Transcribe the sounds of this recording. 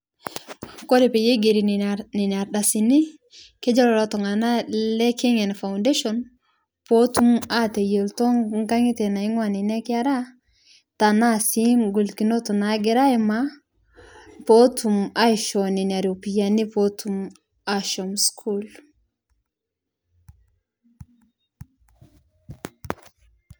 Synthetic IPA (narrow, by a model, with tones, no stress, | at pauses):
kɔ˦ɾe˨pe˨je˦ɡe˨ɾi˨nnɪ˨na˨ɾɗa˨si˨nɪ˦ | ke˦d͡ʒɔ˦lɔ˨ɾɔ˦tɔ˨ŋa˨na˦lɛ˦kɪ˦ŋɛ˨nfa˨unde˦ʃɔ˨n | po˦tu˦ma˦te˨je˨ltɔ˦ŋŋɡa˦ŋɪ˦tɛ˨na˨ɪ˦ŋwa˨nɪ˨nɛ˦kɪ˦a˦ɾa˦ | ta˨na˦si˦mɡu˨lki˨no˦to˨na˨˦ɡɪ˦ɾa˦ɪ˦ma˦ | po˦tʰu˨ma˦ɪʃɔ˨ni˨na˨ɾo˨pi˨ja˨ni˦po˦tʰu˦m | a˦ʃɔ˨mskʰu˦l